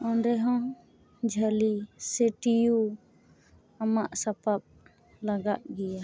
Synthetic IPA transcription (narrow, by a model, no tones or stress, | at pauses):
ɔnɾɛɦɔ̃ | d͡ʒʱalisɛʈiju | amaʔsapap̚ | laɡaʔɡɛja